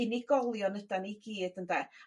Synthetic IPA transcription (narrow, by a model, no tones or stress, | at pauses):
iniɡ̥ɔlˠjɔnədaniɡiːd̥ənda